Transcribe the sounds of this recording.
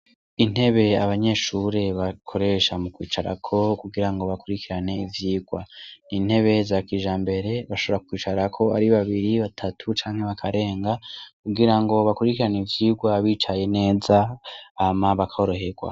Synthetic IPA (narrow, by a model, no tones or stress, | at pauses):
in̥he̞βe̞aβaɲe̞ːʃuːɾe̞βakʰo̞ɾe̞ʃamukwiːt͡ʃaɾa̰kʰo̞kuɡiɾaŋɡo̞βakuɾikiɾane̞ivjiːɡwa̰nin̥he̞βe̞zakiːʒaːmbe̞ɾe̞βaʃoβoɾakwiːt͡ʃaɾakʰo̞a̰ɾiβaβiɾiβatʰatʰut͡ʃaːŋhe̞βakʰaɾe̞ːŋɡakuɡiɾaŋɡo̞βakuɾikiɾanivjiːɡwaβiːt͡ʃaje̞ne̞ːzaː | maβakʰaoɾo̞ɦe̞ɡwa̰